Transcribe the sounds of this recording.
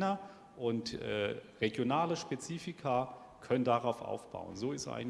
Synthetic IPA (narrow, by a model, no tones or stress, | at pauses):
nɐ | ʔʊntʔɛ̰ːʁeɡjonaːləʃpet͡siːfɪkʰɐ | kʰœnəndaʁaʊfʔa̰ʊfb̥a̰ʊə̰nzoːɪstʔa̰ɪn